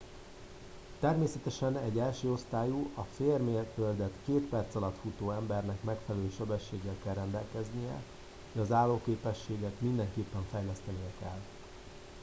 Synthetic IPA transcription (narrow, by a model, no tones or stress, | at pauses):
t̪ɛrmeːsɛt̪ɛʃɛnɛɟːɛlʃøːo̞st̪aːjuʔɒfeːrmeːt̪øld̪ɛt̪keːt̪pɛrt̪sɒlɒt̪fut̪oːɛmbɛrnɛkmɛkfɛlɛløʃɛbɛʃːeːɡːɛlkɛlrːɛnd̪ɛlkɛznijɛ̰ | hoʃɒzaːlːoːkeːpɛʃːeːɡɛt̪mind̪ɛŋkeːpːɛɱfɛjlɛst̪ɛnijɛkɛl